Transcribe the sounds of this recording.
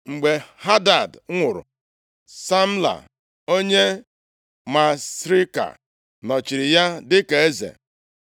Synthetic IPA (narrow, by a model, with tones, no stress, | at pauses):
ŋ͡m̩˨ɡ͡be˨ha˦da˨dŋʷʊ˨ɾʊ̰˨ | sa˦m̩˦la̰˨ | o˦ɲe˦ | ma˨sɾi˦ka̰˨ | nɔ˨t͡ʃi˨ɾɪ˨ja˦dɪ˦ke˨e˦zḛ˨